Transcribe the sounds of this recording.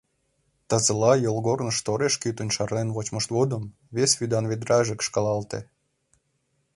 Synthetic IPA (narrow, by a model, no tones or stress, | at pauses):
t̪ɑzə̆lɑjolˠɣornəʃt̪oɾeʃkyt̪unʲʃɑrnenvot͡ɕməʃt̪βod̪əm | βesʲvʲyd̪ɑnβed̪ɾɑʒəkʃkɑlˠɑlt̪e